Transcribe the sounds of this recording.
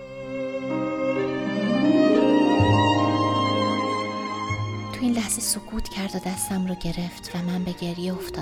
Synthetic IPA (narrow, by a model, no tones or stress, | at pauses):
t̪ʰuiːnlæhz̥esokʰuːt̪ʰcʰæɾd̪od̪æst̪æmrɒːɟe̞ɾe̞ft̪ʰvæmænbe̞ɟe̞ɾjeoft̪ɒː